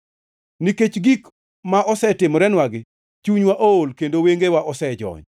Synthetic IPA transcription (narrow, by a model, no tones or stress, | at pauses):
niket͡ʃɡik | maʔɔsɛtɪmɔɾɛnwaɡɪ | t͡ʃuɲwaʔoolkendoweŋɡewaɔsɛd͡ʒɔ̰ɲ